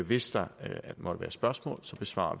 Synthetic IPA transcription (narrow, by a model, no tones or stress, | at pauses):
ʋe̝sd̥ɑæd̥emɒ̽d̥əʋæːɐsb̥ɶɐsmɔ̰̽ːlsɒ̽b̥e̝sʋɑ̰̈ːɐ